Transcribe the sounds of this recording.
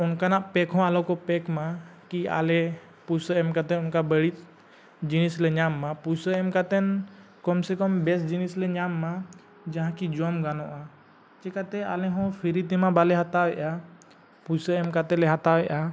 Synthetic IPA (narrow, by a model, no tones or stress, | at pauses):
unkanaʔpɛkɦɔ̃alɔkɔpɛkmakia̰lɛ | pusəɛmkat̪ɛnunkabəɽit̪̚ˀ | d͡ʒinislɛɲamːapujsəɛmkat̪ɛnkɔmsɛkɔmbɛsd͡ʒinislɛɲamːa | d͡ʒãɦãkid͡ʒɔmɡanɔ̃ʔa | t͡ʃɛkat̪ɛalɛɦɔ̃pʰiɾit̪imabalɛɦat̪awɛʔa | pusəɛmkat̪ɛlɛɦat̪awɛʔa